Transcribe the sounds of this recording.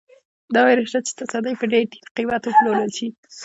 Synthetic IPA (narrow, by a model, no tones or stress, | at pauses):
d̪ɑwejɾeʃat͡ʃe̥t̪asad̪əjpəɖeɾʈi̥qiwat̪wəploləlʃi